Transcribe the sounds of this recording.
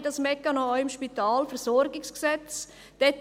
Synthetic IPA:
dɑsmɛkːɑnoɔəmʃpitaːlfəɾzɔɾɡɪksksɛt͡s | d̥ɛt

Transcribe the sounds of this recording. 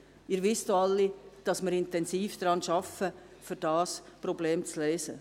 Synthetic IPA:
ɪɾʋɪsdoɑlːid̥ɑsmɪɾɪnt̪ɛnsiːfd̥ɾɑːnʃɑfə | føɾd̥ɑːspɾɔbleːmt͡sleːsə

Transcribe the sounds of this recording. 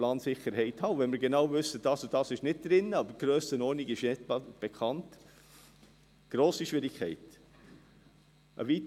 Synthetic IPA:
lɑːnsɪχəɾɦɛɪthɑːʊvɛnmɪɾɡenɑwvʏsːəd̥ɑːsod̥ɑːsɪʃnɪt̚d̥ɾɪnːəɑbəɡ̥ɾøːstənɔːniɡɪʃɛtb̥ekχɑnt | ɡ̥ɾoːsiʃʋɪɾikχɛɪt | ʔə̰vit

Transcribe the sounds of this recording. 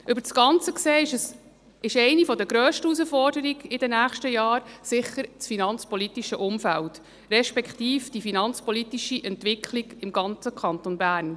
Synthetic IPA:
ʔʉbəɾt͡sɡ̥ɑnt͡səkseːʃəs | ɪʃɛɪnifɔd̪əɡɾøːʃtəus̬əfɔrdəɾiɡɪdɛnæːχʃtəjɑːɾsɪχːəɾt͡sfinɑnt͡spɔlit̪iʃəʔʊmfælt | rɛʃpɛkχt̪iːfd̥ifinɑnt͡spɔlit̪iʃiʔɛntvʋɪkʰliɡɪmɡɑnt͡səkʰɑnt̪onbæːɾn

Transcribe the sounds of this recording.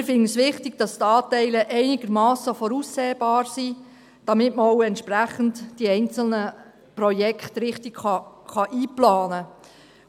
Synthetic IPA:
ɾfɪnəsʋɪχtɪɡ̥̚d̥ɑst̪ɑːtɛɪləʔɛɪnɪɡ̥əɾmɑːsəfɔɾusːeːbɑːrsi | d̥ɑmɪtməɔwɛntʃpræχən̩td̥iɛɪnt͡sl̩nə | prɔjɛkχtrɪχtɪɡ̥χɑχɑʔiːplɑːnə

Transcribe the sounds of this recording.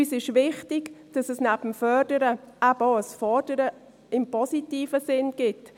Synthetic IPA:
yːsɪʃvɪχtɪɡ̥d̥ɑsɛsnæb̥m̩fœrd̥əɾəʔæboəsfɔrd̥əɾə | ɪmpʰɔsitiːfəsɪnɡ̥ɪt

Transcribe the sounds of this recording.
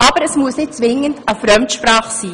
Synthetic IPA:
ʔɑb̥əɾɛsmuəsnɪt̚t͡sʋɪŋːəndəfɾœmtʃpraːχsiː

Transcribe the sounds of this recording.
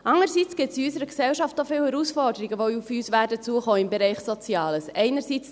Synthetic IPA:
ʔɑŋəɾsit͡sɡ̥ɪtsiysəɾəɡsɛwʃɑftofɪːwhɛɾusfɔɾdəɾiɡəʋoufyːsʋæːdət͡suəχoːɪmbɛɾɛɪχsɔt͡sjɑːləsɛɪnəɾsiːt͡s

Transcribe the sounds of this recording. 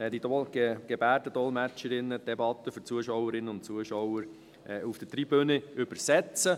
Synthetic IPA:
ɛd̥̪idɔlɡeɡ̥ebæːɾdəd̥̪ɔlmæt͡ʃəɾɪnːəd̪̥ɛbɑt̪ːəføɾt͡suəʃɔwəɾɪnːənʊnt͡suəʃɔwəɾ | ʔɛufd̥ətɾibøneʏbəɾsɛt͡sə

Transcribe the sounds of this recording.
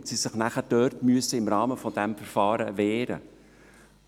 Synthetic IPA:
tsisɪχnæχəd̥œːrtmyəsəɪmɾɑːməfɔdɛmfɛɾfɑːɾəvɛːɾə̰

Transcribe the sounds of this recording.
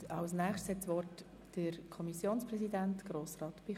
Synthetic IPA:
ɑʊsnæːχtshɛtsʋɔɾt | d̥əkʰɔmisjoːnsprɛsidæntɡ̥ɾoːsrɑːt̪b̥i

